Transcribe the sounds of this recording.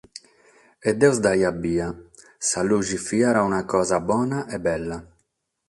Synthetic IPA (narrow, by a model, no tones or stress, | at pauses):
ɛd̪ːɛwzd̪ajabːiːa | saluʒifiːaɾaunakɔːzabɔːnaʔɛbːɛlːa